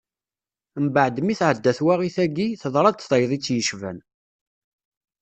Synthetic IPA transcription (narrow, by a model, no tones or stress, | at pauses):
mbaʕd̪miθʕəd̪ːæθwaʁiθæɡiθəðˤɾˤɑd̪θðˤɑjðˤit͡sːjəʃvæ̰n